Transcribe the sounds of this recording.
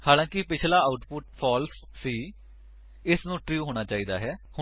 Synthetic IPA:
haːlãːkɪpɪt͡ʃʰlaːaʊʈpʊʈpʰɔːlsːiː | ɪsnũːʈɾjuːɦoːɽ̃aːt͡ʃaːiːd̪aːɦɛːhʊ

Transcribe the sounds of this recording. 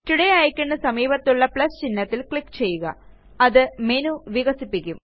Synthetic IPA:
t̪iɽɐjaːjikʲːuɳːɐsɐmiːbɐt̪ːuɭːɐpɭɐst͡ɕinːɐt̪ːilkɭikːt͡ɕe̞jːuɣɐ̰ | ɐðɨme̞nuʋiɣɐsipːikʲːum

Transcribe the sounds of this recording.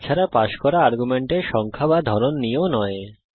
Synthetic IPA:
t͡ɕʰaɾapaʃkɔɾaaɾɡumeɳʈeʃɔŋkʰabad̪ʱɔɾonːionɔe

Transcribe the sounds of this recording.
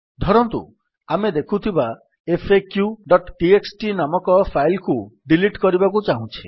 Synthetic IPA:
d̪ʱɔɾɔnt̪ṵ | amed̪ekʰut̪ʰiba | epʰekjuɖɔʈʈieksʈinamɔkɔpʰajlkuɖiliʈkɔɾibakut͡ʃaɦũt͡ʃʰi̥

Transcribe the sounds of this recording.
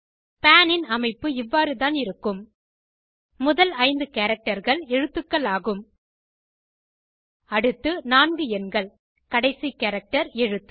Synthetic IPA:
paːnɪnɐmɐɪpːɯɪʋːaːɾɯt̪aːnɪɾɯkːɯm | ʊðɐlɐɪnd̪ɯkeːɾɐk̚ʈɐɾɣɐɭɛɻɯt̪ːɯkːɐɭaːɣɯm | ɐɽɯt̪ːɯnaːnɡɯɛnɡɐɭ | kɐɽɐɪsikɐːɾɐk̚ʈɐɾɛɻɯt̪ːɯ̥

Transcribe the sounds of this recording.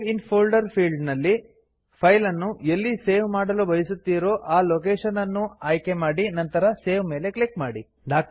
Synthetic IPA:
inpʰoːlɖɐɾpʰiːlɖnɐlːi | pʰɐjlɐnːuelːiseːʋmaːɽɐlubɐjisut̪ːiːɾo̞ːʔaːloːkeːʂɐnɐnːuaːjke̞maːɽinɐnt̪ɐɾɐseːʋme̞ːle̞klikmaːɽi | ɖaːk̚

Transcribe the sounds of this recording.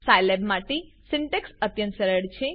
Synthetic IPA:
sajlebmaʈesɪɳʈeksət̪jənt̪səɾəɽt͡ʃʰe

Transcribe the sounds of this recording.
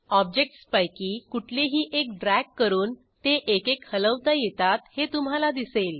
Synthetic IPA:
ɔb̚d͡ʑek̚ʈspajkiːkuʈʰleɦiːʔek̚ɖɾækːəɾuːn | t̪eʔekekhələʋt̪ajet̪at̪het̪um̤alad̪isel

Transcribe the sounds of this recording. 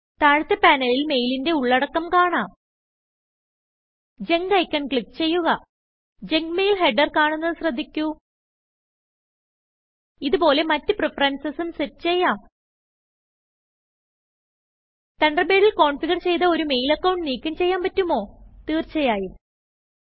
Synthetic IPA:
t̪aːɻut̪ːɐpaːnɐlilme̞jlinde̞uɭːɐɽɐkːɐmkaːɳaːm | d͡ʑe̞ŋɡɐjkʲːɐɳkɭikːt͡ɕe̞jːuɣɐ | d͡ʑe̞ŋɡmejlɦeɖɐrkaːɳunːɐðɨɕrɐd̪ʱːikʲːu | iðupo̞ːle̞mɐtːɨprefɐrɐːnsɐsumsetːt͡ɕejːaːm | t̪ɐɳɖɐbeːɽilko̞ːɳfiɣɐrt͡ɕe̞jt̪ɐo̞ɾume̞jlɐkːɐwɳʈniːkʲːumt͡ɕe̞jːaːmpɐtːumo̞ːt̪iːrt͡ɕɐjaːji

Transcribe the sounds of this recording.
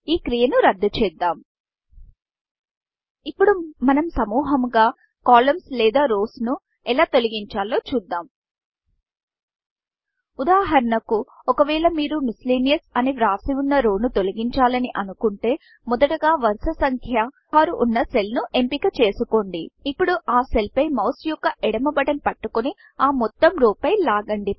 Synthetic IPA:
iːkɾijɐnuɾɐd̪ːut͡ʃɛːd̪ːaːm | ipːuɽumɐnɐmsɐmuːɦɐmɡaː | kaːlɐmslɛːd̪aːɾoːsnu | ɛlaːt̪o̞liɡiɲt͡ʃaːlo̞ːt͡ʃuːd̪ːaːm | ud̪aːɦɐɾɐnɐku | ɔkɐʋɛːɭɐmiːɾumisliːnijɐsɐniʋɾaːsiunːɐɾoːnut̪o̞liɡiɲt͡ʃaːlɐniʔɐnukuɳʈe̞ː | mɔd̪ɐʈɐɡaːʋɐɾsɐsɐŋkʰjɐ | aːɾuʔːnːɐse̞lnuʔe̞mpikɐt͡ʃe̞ːsuko̞ɳɖiːpːuɽuʔaːse̞lpɐjmɐwsjukːɐʔɛɽɐmɐbɐʈɐnpɐʈːukoni | aːmɔt̪ːɐmɾuːpɐjlaːɡɐɳɖi

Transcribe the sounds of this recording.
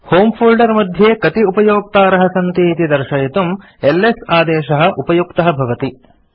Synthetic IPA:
hoːmpʰuːlɖɐɾmɐd̪ʱjeːkɐt̪iupɐjoːk̚t̪aːɾɐɦɐsɐnt̪iːt̪id̪ɐɾʃɐjit̪um | elːesaːd̪ɛːʃɐɦɐ̆ʔupɐjukt̪ɐɦɐbʱɐʋɐt̪i

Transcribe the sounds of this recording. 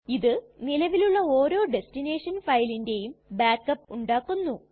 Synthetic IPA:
iðɨnilɐʋiluɭːɐoːɾo̞ːɖe̞stine̞ːʂɐnfɐjlinde̞jumbaːkːɐpːuɳɖaːkːunːu

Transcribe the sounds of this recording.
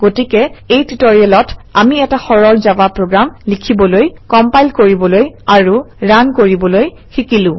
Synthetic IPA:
ɡ̥otikɛejtitoɹiɛlɔtamiɛtaxɔɹɔɹzabapɹoɡɹamlikʰibɔlojkɔmpajlkoɹibɔlojaɹuɹankoɹibɔloj | xikilʊ̃

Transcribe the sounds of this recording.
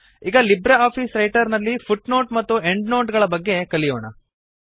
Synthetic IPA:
iːɡɐlibɾɐaːpʰiːsɾɐjʈɐɾnɐlːifʰuʈno̞ːʈmɐt̪ːue̞ɳɖnoːʈɡɐɭɐbɐɡːe̞kɐlijoːɳɐ̰

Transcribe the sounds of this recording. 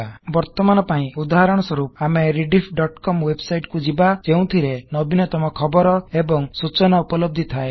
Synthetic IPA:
bɔɾt̪ɔmanɔpaĩud̪aɦaɾɔɽ̃ɔsɔɾup̚ameɾiɖipʰɖɔʈkɔmwebsajʈkud͡ʒibad͡ʒeũt̪ʰiɾenɔbinɔt̪ɔmɔkʰɔbɔɾɔebɔŋsut͡ʃɔnaupɔlɔb̚d̪ʱit̪ʰae

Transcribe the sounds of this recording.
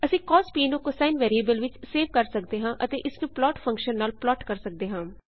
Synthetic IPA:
əsĩːkɔːspiːnokosaːnʋɛːɾieːbəlʋɪt͡ʃseːʋkəɾsək̚d̪eːɦãːʔət̪eːʔɪsnũːplɔːʈfʰə̃ŋkʃənːaːlplɔːʈkəɾsək̚d̪eːɦãː

